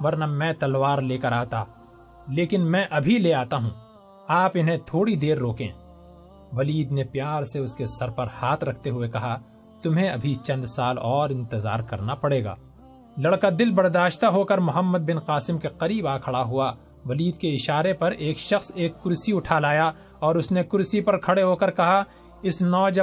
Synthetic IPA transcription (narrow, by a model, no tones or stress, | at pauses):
ʋɐɾnamɛ̃ːt̪ɐlwaːɾleːkɐɾaːt̪a | leːkɪnmɛ̃ʔɐbʱileaːt̪aɦũː | aːpɪnɦẽt̪ʰoːɽid̪eːɾːoːkḛ̃ː | ʋɐliːd̪nepjaːɾseʊskesɐɾpɐɾhaːt̪ʰɾɐkʰt̪eɦʊekɐɦa | t̪ʊmɦẽɐbʱit͡ʃɐ̃nd̪saːlɔːɾɪ̃nt̪ɪza̰ːɾkɐɾnapɐɽeːɡa̰ː | lɐɽkad̪ɪlbɐɾd̪aːʃt̪aɦokəɾmʊɦəmːəd̪̚bɪnqaːsɪmkeqɐɾiːbaːkʰɐɽaɦʊa | ʋɐliːd̪keɪʃaːɾepɐɾeːkʃɐxseːkːʊɾsiʊʈʰaːlaːja | ɔːɾʊsnekʊɾsipɐɾkʰɐɽeɦoːkəɾkɐɦa | ɪsnɔːd͡ʒ